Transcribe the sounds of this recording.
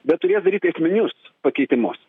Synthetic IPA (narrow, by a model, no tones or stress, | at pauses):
bʲɛt̪t̪ʊɾʲeːsd̪ɐɾʲiːt̪ʲɐsʲmʲɪnʲʊspɐkʲɛɪt̪ʲɪmʊs